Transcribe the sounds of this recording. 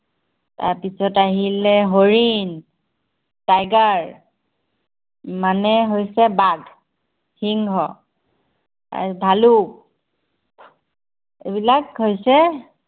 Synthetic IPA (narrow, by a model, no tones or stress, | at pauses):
ta̰ɹpisɔtaɦilɛɦoɹin | tajɡaɹ | manɛɦojsɛbad | hiŋɦɔ | a̰bʱaluk̚ | ḛbilakɦojsɛ